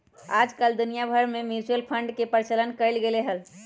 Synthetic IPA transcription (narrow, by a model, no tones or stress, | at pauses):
ad͡ʒkəld̪unijabʱəɾmemjut͡ʃuəlpʰəɳɖkepəɾt͡ʃələnkəɪlɡeleɦəl